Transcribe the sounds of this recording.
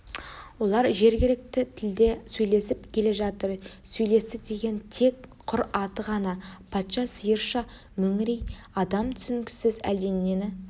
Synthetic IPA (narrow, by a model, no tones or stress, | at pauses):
wo̞lˠɑɾʒe̞ɾɡʲɪlɪk̚t̪ɪt̪ʰɪld̪e̞sɵjle̞sɪpkʲʰe̞le̞ʒɑt̪əɾsɵjle̞st̪ɪd̪e̞ɡʲe̞nt̪ʰe̞kqʰʊɾɑt̪əʁɑnɑpʰɑt̪ʃɑsəjəɾʃɑ | mɵŋɾej | ɑd̪ɑmt̪ʰʏ̥sɪŋkʲɪ̥sɪzæ̰ld̪e̞nːe̞nɪ